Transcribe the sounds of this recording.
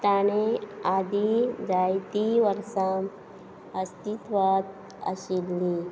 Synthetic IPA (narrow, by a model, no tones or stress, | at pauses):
t̪anead̪id͡ʒajt̪iʋəɾsam | əst̪it̪ʋat̪ | ə̰ɕilːi